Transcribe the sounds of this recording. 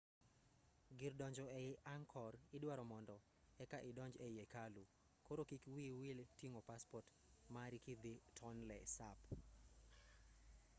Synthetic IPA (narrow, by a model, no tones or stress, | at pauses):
ɡɪrdɔɲd͡ʒɔɛʔaŋkʰɔrɪdwaɾɔmɔndɔ | ɛkaʔɪdɔɲd͡ʒejekalu | koɾokikwiwiltiŋopaspɔrt | maɾikid̪ɪtʰɔnlɛsap